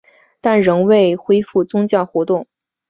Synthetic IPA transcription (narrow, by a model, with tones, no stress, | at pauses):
t̪a˥˩nɻə˧˥ŋwe˥˩ɪxwe˥ɪfu˥˩t͡sʊ˥ŋt͡ɕjɑ˥˩ʊxwɔ˧˥t̪ʊ˥˩ŋ